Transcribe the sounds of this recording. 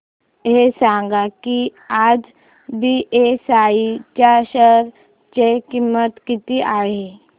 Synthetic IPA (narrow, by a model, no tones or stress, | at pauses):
ɦesãŋɡakiad͡z | biʔesait͡ɕaɕəɾ | t͡ʃekimːət̪kit̪iʔaɦe